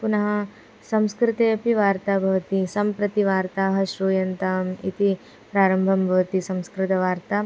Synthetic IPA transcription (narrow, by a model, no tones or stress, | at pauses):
punɐɦɐ | sɐ̃mskɾɪt̪eːpiʋaːɾt̪aːbʱɐʋɐt̪isɐmpɾɐt̪iʋaːɾt̪aːɦɐʃɾuːjɐnt̪amḭt̪i | pɾaːɾɐmbʱɐmbʱɐʋɐt̪isɐ̃mskɾɪt̪ɐʋaːɾt̪a